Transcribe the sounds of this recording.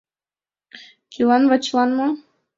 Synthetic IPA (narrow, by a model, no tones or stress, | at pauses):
kʲʰilɑnvɑt͡ɕlˠɑnmɤ